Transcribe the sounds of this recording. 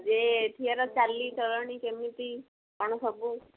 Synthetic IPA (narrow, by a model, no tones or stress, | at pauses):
d͡ʒet̪ʰiaɾɔt͡ʃalːit͡ʃɔlɔɽ̃ikemit̪i | paɽ̃ɔsɔbu